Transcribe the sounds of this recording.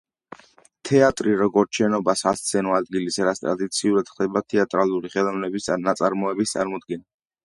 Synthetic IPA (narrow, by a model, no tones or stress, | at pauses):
t̪ʰɛat̪ʼɾiɾɔɡɔɾt͡ʃʰɛnɔbasast̪sʰɛnɔad̪ɡilisɾat̪st̪ʼɾad̪it̪sʰiuɾad̪̥χd̪ɛbat̪ʰɛat̪ʼɾalˠuɾiχɛlˠavnɛbisnat̪sʼaɾmɔɛbist̪sʼa̰ɾmɔd̪ɡɛn